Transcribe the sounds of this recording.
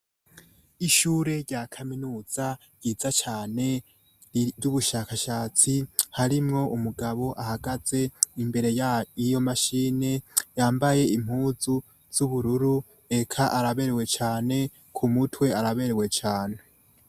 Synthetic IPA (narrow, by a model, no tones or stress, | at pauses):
iʃuːɾe̞ɾɟakʰaminuːz̥a | jizat͡ʃaːne̞ | juβuʃakaʃat͡sihaɾimŋo̞ʔumuɡaβo̞ʔahaɡaze̞imbe̞ɾe̞jijo̞maʃiːne̞jaːmbaje̞im̥huːzu | z̥uβuɾuɾu | e̞kʰaʔaɾaβe̞ɾewe̞t͡ʃaːne̞ | kʰumutʰwe̞aɾaβe̞ɾewe̞t͡ʃaːne